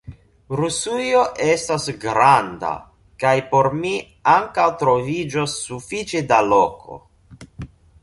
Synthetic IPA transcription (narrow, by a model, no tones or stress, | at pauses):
ɾusujo̞ʔe̞stasɡɾanda̰ | kajpo̞ɾmi | aŋkawtɾo̞vid͡ʒosːufit͡ʃe̞dalo̞kʰo̞̰